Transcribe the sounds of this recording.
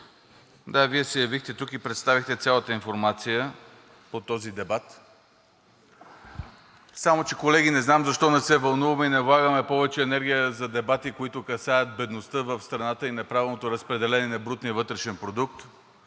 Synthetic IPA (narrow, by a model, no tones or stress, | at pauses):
d̪aviɛsɛjɐvixt̪ɛt̪ukipɾɛt̪st̪avixt̪ɛt̪sʲalˠət̪əinfoɾmat̪sijə | pot̪ɔzid̪ɛbat̪ | samot͡ʃɛkolɛɡ̟inɛznamzɐʃt̪ɔnɛsɛvɐlˠnuvɐmɛinɛvlˠaɡəmɛpɔvɛt͡ʃɛːnɛɾɡ̟ʲijəzɐd̪ɛbat̪ikoit̪ʊkɐsajət̪̚bɛd̪nost̪əvəfst̪ɾɐnat̪əinɐpɾavɛlˠnot̪oɾɐspɾɛd̪ɛlɛnɛnɐbɾut̪niəvɤt̪ɾɛʃɛnpɾod̪uk̚t̪